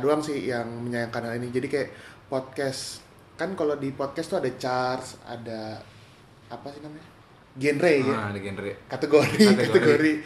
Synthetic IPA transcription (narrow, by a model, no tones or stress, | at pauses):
doaŋsɪhjaŋməɲajaŋkanalinid͡ʒadikajaʔpɔt̪̚kɛs | kankalodipɔt̪̚kɛst̪uadat͡ʃarsa̰da | pasinamaɲa | ɡɛnrejaɡɛnekat̪əɡoɾit̪kaeɡoɾi